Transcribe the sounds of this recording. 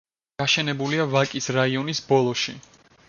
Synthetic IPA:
aʃɛnɛbuliavakʼisɾaiɔnisbɔlˠɔʃi

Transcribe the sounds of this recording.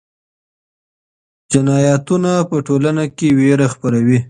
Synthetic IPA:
d͡ʒɪnɑjɑt̪unapəʈolanakeweɾaxpəɾawi

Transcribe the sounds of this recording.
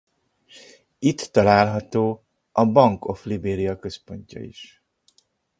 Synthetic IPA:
it̪ːɒlaːlɦɒt̪oː | ɒbɒŋko̞flibeːɾiɒkø̞spo̞ɲcɒ̰ḭʃ

